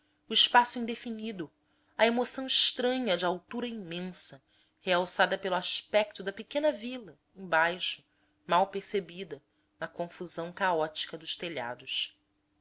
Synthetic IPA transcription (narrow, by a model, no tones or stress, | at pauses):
ʊɪʃpasʊĩd̪efinid̪ʊ | ɐemosɐ̃w̃ɪʃt̪ɾɐ̃ɲɐd͡ʒɪawt̪uɾɐĩmẽsɐ | heawsad̪ɐpelʊaʃpɛk̚t̪ʊd̪ɐpekẽnɐvilɐ | ẽj̃bajʃʊ̥ | mawpeɾsebid̪ɐ | nɐkõfuzɐ̃w̃kaɔt͡ʃi̥kɐd̪ʊʃt̪eʎa̰d̪ʊʃ